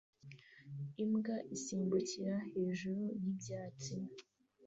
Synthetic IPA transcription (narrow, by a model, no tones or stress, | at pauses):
imɡaʔisiːmbuciɾahe̞ːʒuɾujibɟaːt͡si